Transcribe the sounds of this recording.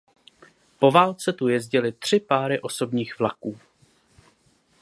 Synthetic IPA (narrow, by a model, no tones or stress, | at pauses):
po̞vaːlt͡sɛt̪ujɛzɟɪlɪt̪r̝̥ɪpaːɾɪʔo̞so̞bɲiːxvla̰kuː